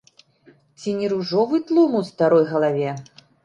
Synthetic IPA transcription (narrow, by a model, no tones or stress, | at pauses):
t͡sʲinʲiɾuʐɔvɨt̪lˠumuwst̪aɾɔjɣɐlˠavʲɛ